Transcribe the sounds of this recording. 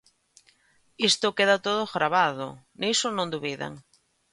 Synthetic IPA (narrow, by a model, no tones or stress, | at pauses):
ist̪okeðat̪oðoɣɾaβaðo̰ | nejsonõnd̪uβiða̰ŋ